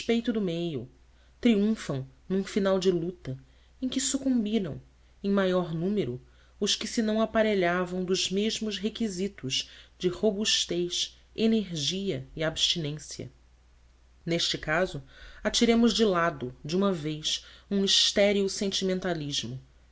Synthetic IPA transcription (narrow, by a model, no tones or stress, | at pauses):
eʃpejt̪ʊd̪ʊmejʊ | t̪ɾiũfɐ̃w̃nũfinawd͡ʒɪlut̪ɐ | ẽj̃kɪsukũmbiɾɐ̃w̃ | ẽj̃majɔɾnũmeɾʊ | ʊskɪsɪnɐ̃w̃apaɾeʎavɐ̃w̃d̪ʊzmeʒmʊʃɦekizit̪ʊzd͡ʒɪhobuʃt̪ejʃ | eneɾʒiɐiabʃt͡ʃinẽsjiɐ̰ | neʃt͡ʃɪkazʊat͡ʃiɾẽmʊʒd͡ʒɪlad̪ʊd͡ʒiũmɐvejsũiʃt̪ɛɾiusẽnt͡ʃimẽnt̪aliʒmʊ